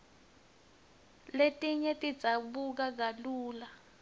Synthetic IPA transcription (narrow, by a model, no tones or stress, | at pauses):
letʼiɲɛtʼidd͡zz̥ʱaɓuk̬aɡ̬aluːla